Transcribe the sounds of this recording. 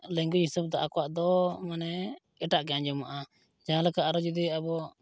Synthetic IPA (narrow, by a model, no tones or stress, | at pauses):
lɛŋɡuɦisub̚d̪aʔakɔwaʔd̪ɔmanɛɡɛʈaʔkɛjand͡ʒɔmaʔa | d͡ʒaɦãlɛkaʔaɾɔd͡ʒud̪iabɔ